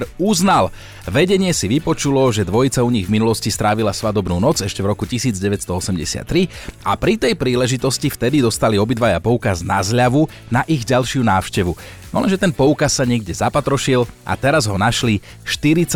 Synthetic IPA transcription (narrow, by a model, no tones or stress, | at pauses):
ɾuznal | ʋɛɟɛɲɪɛsiʋipɔt͡ʃulɔʒɛd̪ʋɔjt͡sauɲiɣvminulɔscist̪ɾaːʋilasʋad̪ɔbnuːnɔd͡zɛʃcɛʋɾɔkucisiːd͡zɟɛʋɛst̪ɔɔsɛmɟɛsɪa̰t̪ːɾiapɾit̪ɛjpɾiːlɛʒit̪ɔscift̪ɛd̪id̪ɔst̪aliɔbid̪ʋajapɔukaznazʎaʋu | naʔiɣɟalʃɪunaːʊʃcɛʋu | nɔlɛ̰nʒɛt̪ɛnpɔukasːaɲɪɛɡɟɛzapat̪ɾɔʃilʔa̰t̪ɛɾazɦɔnaʃli | ʃt̪iɾit͡s